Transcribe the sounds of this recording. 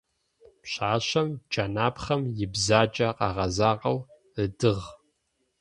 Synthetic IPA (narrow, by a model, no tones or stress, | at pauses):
pɕaːɕɐmd͡ʒanaːpχɐmjɪbzaːt͡ʃʼɐqɑ̰ːʁɐzaːʁɐw | ədɨʁ